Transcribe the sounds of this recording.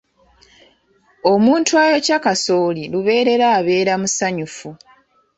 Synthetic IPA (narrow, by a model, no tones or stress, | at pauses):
o̞muːntuajo̞cakaso̞ːliluβe̞ːɾe̞ɾaːβe̞ːɾamusaɲufu